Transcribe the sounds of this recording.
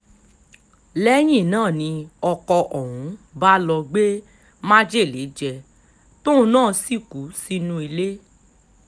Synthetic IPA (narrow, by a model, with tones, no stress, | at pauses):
lɛ˦j̃ĩ˦˨nãː˦˨nĩ˧ɔ˧kɔ˧ʔɔ˨wũ˨˦ba˦lɔ˧ɡ͡be˦ | mã˦d͡ʒe˦˨le˨˦d͡ʒɛ˧ | tõ˦o˧nãː˦˨˧si˦˨ku˨˦si˦nũ˧˦i˧le˦